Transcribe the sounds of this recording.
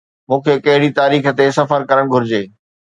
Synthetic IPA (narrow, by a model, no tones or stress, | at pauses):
mũːkʰekɐɦɪɽit̪aːɾiːxə̆t̪esɐfəɾkɐɾəɽ̃ɡʱʊɾɪd͡ʑeː